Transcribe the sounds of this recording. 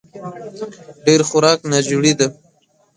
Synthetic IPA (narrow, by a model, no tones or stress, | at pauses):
ɖeɾxʊɾɑknad͡ʒuɽid̪a